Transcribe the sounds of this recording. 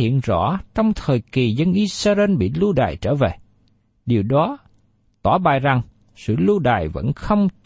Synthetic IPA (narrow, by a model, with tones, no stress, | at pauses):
ḭ˧˨ənzɔ̰˧˥t͡ɕɔ˧wŋ͡mt̪ʰəː˨˩jki˨˩zə˧nʔi˧sə˧ze˧nɓḭ˧˨lu˧ɗa̰ː˨˩jt͡ɕəː˧˩ve˨˩ | ɗi˨˩əwɗɔ˨˦ | t̪waː˧˩ɓa̰ː˧˨jza˨˩ŋ | sɨ̰˧˨lu˧ɗa̰ː˨˩jvə̰˧˥nxə˧wŋ͡m